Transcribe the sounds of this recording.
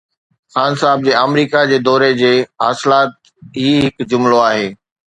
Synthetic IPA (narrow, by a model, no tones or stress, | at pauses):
xaːnsaːɪb̚d͡ʑeːɐmɾiːkad͡ʑeːd̪ɔːɾed͡ʑeːɦaːsɪlaːt̪̚ | ɦiːɦɪkd͡ʑʊmloaːɦeː